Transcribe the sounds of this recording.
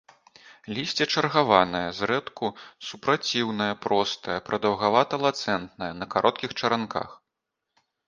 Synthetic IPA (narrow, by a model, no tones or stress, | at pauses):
lʲisʲt͡sʲɛt͡ʂɐrɣavanɐjɐzɾɛt̪kusupɾat͡sʲiwnɐjɐpɾɔst̪ɐjɐpɾɐd̪ɐwɣavat̪ɐlˠat̪sɛnt̪nɐjɐnɐkaɾʔɔt̪kʲixt͡ʂɐɾanka̰x